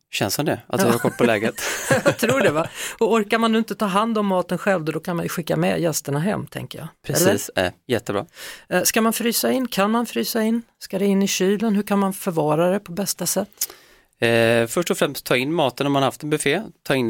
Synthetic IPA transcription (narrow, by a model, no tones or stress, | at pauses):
hɕɛnshand̪ɛʔat̪hahaɾkʰɔl̚pʰɔlɛːɡət̪ɑt̪ʰɾuːɖɛvaɔɔɾkaɾmanːʉ̟ɪnt̪ət̪ʰɑːɦand̪ɔmːɑːt̪ənɧɛlvd̪ɔd̪ɔkʰanmanjɵɧɪkːa̰mɛ̰jɛst̪əɳaɦɛ̰mːt̪ʰɛ̰ŋkəjɑ̰pʰɾɛɛ̰lːiəːsæ̰ɾjɛt̪ːəbɾɑ̰ːskamanfɾyːsaɪnːkʰanmanfɾyːsaɪnː | skad̪ɛɪnːɪɕyːlənɦɵkʰanmanfœɾvɑːɾaɾɛpʰɔbɛst̪asɛt̪ː | fœʂʈɔfɾɛmst̪ʰːɑːɪnːmɑːt̪ənhɔmanahaft̪ɛnbɛfeːt̪ʰɑːɪn